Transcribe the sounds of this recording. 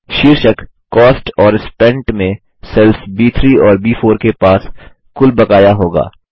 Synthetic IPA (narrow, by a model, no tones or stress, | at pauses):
ʃiɾʃək | kːɔːsʈɔːɾɪspɛ̃ɳʈmẽ | sɛlfbiːt̪ʰɾiːɔːɾbiːfoːɾkepaːs | kʊlbɐkaːjaɦoːɡa̰ː